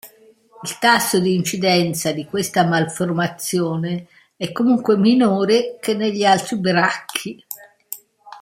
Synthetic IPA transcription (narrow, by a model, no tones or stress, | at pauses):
ilt̪asːod̪iːnt͡ʃid̪ɛnt̪sad̪ikwest̪amalformat̪sjoːne | ɛkːomuŋkweminoːɾek̟enːeʎːialt̪ɾibɾakʰːi